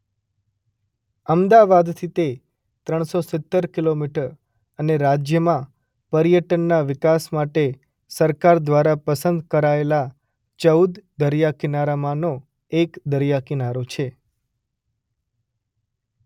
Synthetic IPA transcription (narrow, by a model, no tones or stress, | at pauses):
əmd̪aʋad̪t̪ʰit̪e | t̪ɾəɳ̃sosɪt̪ːəɾkilomiʈəɾ | əneɾad͡ʒjəmã | pəɾijəʈənːaʋɪkasmaʈe | səɾkaɾd̪ʋaɾapəsənd̪kəɾaela | t͡ʃəud̪d̪əɾijakinaɾamãno | ekd̪əɾjakinaɾot͡ʃʰe